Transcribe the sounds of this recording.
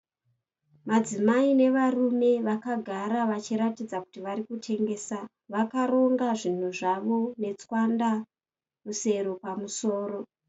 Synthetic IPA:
mad͡zimaine̞ʋarume̞ʋakaɡʱaɾaʋat͡ʃiɾatid͡zaku̥tiʋaɾikutʰe̞ŋɡe̞ːsa | ʋakaɾoŋɡaʐin̤uʐaʋo̞ne̞t͡swanda | ruse̞ɾopamuso̞ːɾo̞

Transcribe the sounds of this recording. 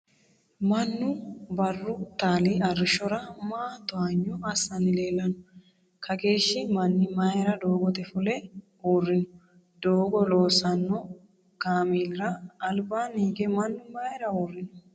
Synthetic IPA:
mɐnːʊbɐrːʊt̪aːliɐrːɪʃɔɾɐmaːt̪ʊaɲːɔɐsɐnɪleːlːɐnʊ̥ | kʰɐke̞ːʃːɪmɐnːɪmaːjɛɾɐd̪o̞ːɡɔt̪ɛfʊlɛ | uːrːɪnʊ̥ | d̪̥oːɡɔloːsɐnːɔ | ɡ̥aːmiːlɾɐːlbaːniːɡɛmɐnːʊmaːjɛɾɐuːrːɪnʊ

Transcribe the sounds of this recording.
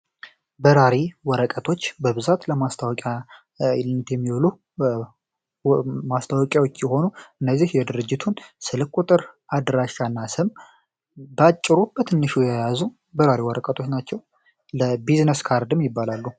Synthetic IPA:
bəɾaɾiwɔɾəkʼət̪ʰo̞t͡ʃːbəβɨzat̪ləmast̪ʰawɔkʼja | lnːət̪jɛmːiwɔlu | mast̪ʰawɔkʼjawot͡ʃːjɛɦho̞nuʔɨnːəzːihjɛd̪ɨɾɨd͡ʒːɪt̪ʰunsɨlɨkʼut̪ʼɨɾʔad̪ɾaʃanːasɨm | bat͡ʃʼːɪɾub̥ət̪ʰɨnːɨʃujɛjazu | bəɾaɾiwɔɾəkʼət̪ʰo̞t͡ʃnat͡ʃːɛw | ləbiznəskʰaɾd̪ɨmjɪbːalalːu

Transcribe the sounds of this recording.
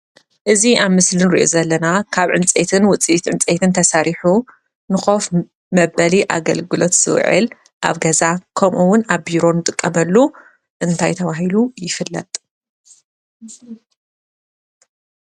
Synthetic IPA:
ʔɨziaβmɨslɨnɨɾḭʔo̞̰zɐlːɐnakʰaβʕɨ̰nt͡sʼet̪ʰɨnwʊt͡sʼit̪ʕɨnt͡sʼet̪ʰɨnt̪ʰɐsaɾiħu | nɨxo̞f | mɐbɐliʔa̰ɡɐlɡɨlot̪z̥ɨ̰w̰ʕɨ̰l | ʔa̰βɡɐzakʰɐmʔuwʊnaβbiɾo̞nːɨt̪ʼɨkʼːɐmɐlːu | ʔɨnt̪ʰajt̪ʰɐβaɦilujɪfɨlːɐ̰t̪ʼ

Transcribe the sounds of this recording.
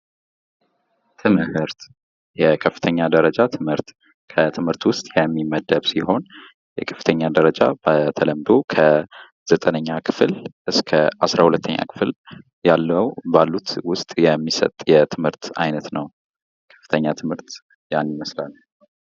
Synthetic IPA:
t̪ʰɨmɨhɨɾt̪ | jɛkʰəfːɨ̥t̪ʰəɲːad̪əɾəd͡ʒat̪ʰɨmhɨɾt̪ | kʰət̪ʰɨmhɨɾt̪wʊst̪ʼjɛmːiməd̪əβsiho̞n | jɛkʰə̥fːɨ̥t̪ʰəɲːad̪əɾəd͡ʒa̰bət̪ʰələmd̪o̞kʰə | z̥ət̪ʼənəɲːakʰɨ̥flʔɨskʰəʔasɾahulət̪ːəɲːa̰kʰɨ̥fl | jalːəwbalːut̪wʊst̪ʼjɛmːisə̰t̪ʼjɛt̪ʰɨmhɨɾt̪a̰jnət̪nəw | kʰə̥fːɨ̥t̪ʰəɲːat̪ʰɨmhɨɾt̪ | janːiməslal

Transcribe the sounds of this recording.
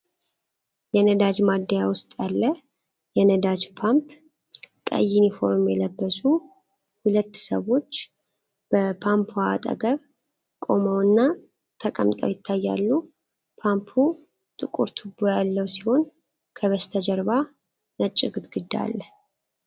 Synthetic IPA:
jɛnəd̪ad͡ʒmad̪ːijawʊst̪ʼjalːə | jɛnəd̪ad͡ʒpʰamp | kʼə̰jinifo̞ɾmjɛləbːəsu | hulət̪ːsə̰wo̞t͡ʃː | b̥əpʰampʰua̰t̪ʼə̰ɡəβ | kʼo̞məwɨnːa | t̪ʰəkʼə̰mt̪ʼə̰wjɪt̪ʰːajːa̰lːu | pʰampʰu | t̪ʼɨkʼṵɾt̪ʰɨbojalːəwsi̥ho̞n | kʰəβəst̪ʰəd͡ʒəɾba | nət͡ʃʼːɪɡɨt̪ɡɨd̪a̰lː

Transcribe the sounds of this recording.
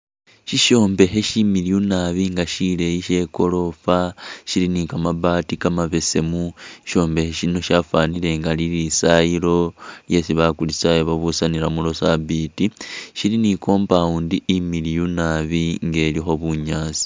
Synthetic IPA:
ʃiʃo̞ːmbe̞ɦe̞ʃimilijunaβiŋɡaʃile̞jiʃe̞ko̞lo̞faʃilinikamabaːtikamaβe̞se̞muʃo̞ːmbe̞heʃino̞ʃafaːnile̞ŋɡaliɾisaiɾo̞lje̞siβakulisajoβaβusaniɾamulo̞sabitiʃiliniko̞ːmpauːndiʔimilijunaβiŋɡe̞ːlixo̞βuɲaːsi̥

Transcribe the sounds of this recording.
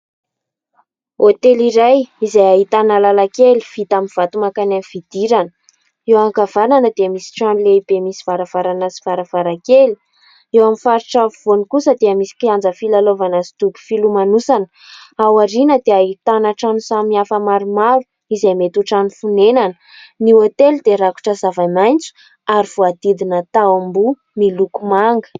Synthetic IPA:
ot̪eliɾajizajaɦit̪analalakeli̥v̥it̪amiv̥at̪umakananv̥id̪̥iɾanə̥ | ewaŋkavananəd̪eəmisi̥ʈ͡ʂanileib̥emisiv̥aɾəv̥aɾanazivaɾəvaɾakeli̥ | ewamifaɾiʈ͡ʂavvonikusəd̪eəmisi̥kʲiand͡zəfilalovanazi̥t̪uku̥filumanusanə̥ | awaɾinəd̪eait̪anaʈ͡ʂanusamiafəmaɾumav | izamet̪uʈ͡ʂanifunenanə | niot̪elid̪eɾaku̥ʈ͡ʂəzavamajnt͡su̥ | aɾiv̥oad̪̥id̪inət̪awambu | milukumaŋɡə̥

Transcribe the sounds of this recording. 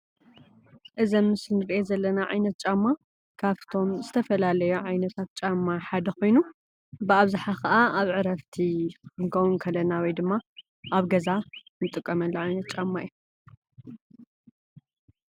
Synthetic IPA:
ʔɨzɐmːɨsnɨɾiʔezɐlːɐnaʕa̰jnɐt̪̚t͡ʃʼamːa | kʰaβt̪ʰo̞mzɨt̪ʰɐfɐlalɐjuʕajnɐt̪ʰat̪̚t͡ʃʼamːaħad̪ɐxo̞jnu | bɨaβzaħakɐʔaaβʕɨɾɐft̪ʰikɨŋkʰɐwunkʰɐlːɐnawɔjd̪ɨmːa | ʔaβɡɐzanɨt̪ʼɨkʼːɐmɐlːɐʕajnɐt̪̚t͡ʃʼamːaiju

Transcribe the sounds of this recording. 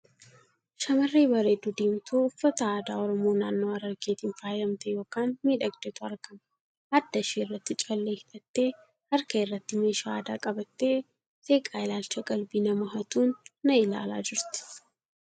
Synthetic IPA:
ʃɐmɐrːeːbɐɾeːd̪ʊd̪iːmt̪uːʊfːɐt̪ɐaːd̪aːɔɾɔmoːnaːnːo̞ːɐɾɐɾɡeːt̪ɪnfaːjlɐmt̪ɛjo̞ːkaːnmiːᶑɐɡd̪ɛt̪ʊɐɾkɐmɐ | ɐd̪ːɐʃeːɪrːɐt̪ːɪt͡ʃʼɐlːeːhɪᶑɐt̪ːe̞ː | hɐɾkɐɪrːɐt̪ːɪmeːʃaaːd̪a̰ːkʼɐbɐt̪ːe̞ː | seːkʼaːɪlaːlt͡ʃɐɡʼɐlbiːnɐmɐɦɐt̪uːnːɐɪla̰ːla̰ːd͡ʒɪɾt̪ɪ̥

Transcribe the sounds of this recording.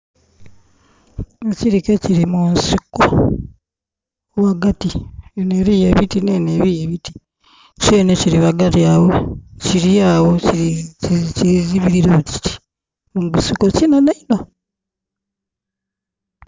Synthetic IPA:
eciɾikeciɾimunsiko | waɡatieneɾijeβitineneβijeβiti̥ | t͡ʃeːneciɾiβaɡatiawociɾiawoci | ciziβiɾiɾoci̥i̥ | muɡusikocinanaino

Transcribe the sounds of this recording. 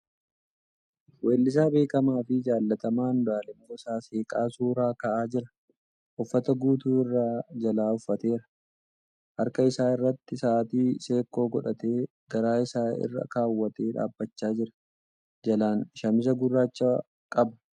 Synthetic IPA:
we̞ːlːɪs̬aːbe̞ːkɐmaːfɪd͡ʒaːlːɐt̪ɐmaːnd̪aːlɛmoːɪsaːse̞ːkʼaːsuːɾaːkɐʔaːd͡ʒɪɾɐ̥ | ʔʊfːɐt̪ɐɡuːt̪uːɪrːaːd͡ʒɐlaːʊfːɐt̪e̞ːɾɐ | ʔɐɾkɐɪsaːɪrːɐt̪ːɪsaːt̪iːse̞ːkːo̞ːɡɔᶑɐt̪e̞ː | ɡ̥ɐɾaːɪsaːɪ̰rːɐ̰kaːwːɐt̪e̞ːᶑa̰ːbːɐt͡ʃːaːd͡ʒɪɾɐ̥ | d͡ʒɐlaːnʃɐmɪs̬ɐɡʊrːaːt͡ʃːa | kʼɐbɐ̥

